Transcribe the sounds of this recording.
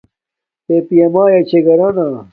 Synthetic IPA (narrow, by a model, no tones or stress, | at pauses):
t̪epijɐmaːjɐt͡ɕʰeɡɐɾana